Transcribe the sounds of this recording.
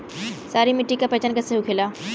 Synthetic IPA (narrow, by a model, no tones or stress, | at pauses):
saːɾimɪʈːikapɐt͡ɕənkɐseɦukʰeːlaː